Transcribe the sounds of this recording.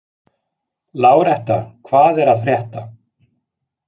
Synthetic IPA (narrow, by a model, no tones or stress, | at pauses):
laːwɾɛht̪a̰kʰvaːðɛɾaðfɾjɛht̪a